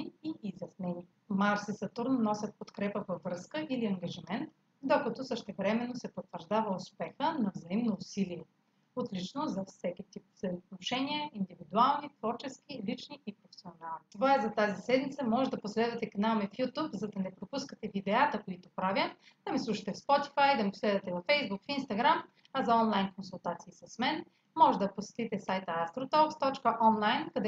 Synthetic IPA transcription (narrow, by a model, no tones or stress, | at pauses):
iiːzʲjɐsnɛniɛ | maɾsisɐt̪uɾnonɔsʲjət̪̚pot̪kɾɛpəvɐvɾɤskəʔiliɐŋɡɐʒimɛnt̪ | d̪okɐt̪ɔsəʃt̪ɛvɾɛmɛnːosɛpot̪ːvəɾʒd̪avəʊspɛxənɐvzɐimnoːsiliɛ | ot̪lit͡ʃnozɐfsɛk̟it̪ip̚zɐot̪noʃɛniɛind̪ivid̪ualˠnit̪v̥ɔɾt͡ʃɛskilit͡ʃniʔipɾofɛ̥sionalˠnit̪ovaɛzɐt̪azisɛd̪mit̪səmɔʒɛd̪ɐposlɛd̪vɐt̪ɛkɐnamɛfjut̪upzɐd̪ɐnɛpɾopuskət̪ɛvid̪ɛat̪əkoit̪ʊpɾavʲə | d̪̥ɐmislˠuʃɐ̥t̪ɛfspɔt̪i̥fajd̪ɐmiposlɛd̪vɐt̪ɛvɐfɛjzbukfinst̪ɐɡɾam | ɐzɐɔnlˠajnkonsulˠt̪at̪siːsɐsmɛn | mːɔʒɛd̪ɐposɛ̥t̪it̪ɛsajt̪əast̪ɾot̪ɔkst̪ɔt͡ʃkəʔɔnlˠajnkɐd̪ɛ